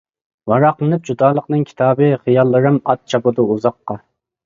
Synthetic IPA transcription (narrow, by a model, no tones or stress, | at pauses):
vɑɾɑqlˠɨnɨp̚d͡ʒud̪ɑːlˠəqnɨŋkʲʰi̥t̪ʰɑːbɨχijɑlˠːɨɾɨmɑt̪̚t͡ʃʰɑpɨd̪ɨuzɑqːɑ